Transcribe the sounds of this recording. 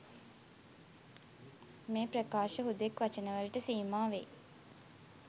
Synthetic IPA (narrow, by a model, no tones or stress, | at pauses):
meːprəkaːʃəɦud̪ekʋat͡ʃənəʋəlʈəsiːmaːʋḛ